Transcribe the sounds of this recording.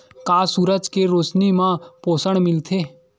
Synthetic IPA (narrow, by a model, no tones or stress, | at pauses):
kaːsuːɾəd͡ʒkeɾoːt͡ʃnimãpoːsəɳ̃mɪlt̪ʰeː